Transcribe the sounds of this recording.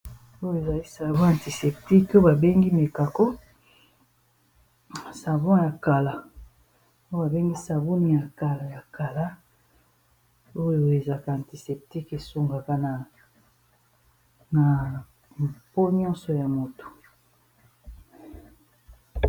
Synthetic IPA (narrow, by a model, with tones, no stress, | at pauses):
o˦jo˦˨e˨za˨li˦sa˨bɔ̃˦ã˨ti˨se˨p̚ti˦ko˦ba˨be˦ŋɡi˦me˨ka˨ko˦ | sa˨vɔ̃˦ja˨ka˨la˨ | o˦ba˨be˦ŋɡi˦sa˨bu˦ni˨ja˨ka˨la˨ja˨ka˨la˦ | o˦jo˨e˨za˨ka˨a˨nti˨se˨p̚ti˦ke˨so˦ŋɡa˨ka˦na˨ | na˨ | po˦ɲi˦ɔ̃˦sɔ˨ja˨mo˨to̥˨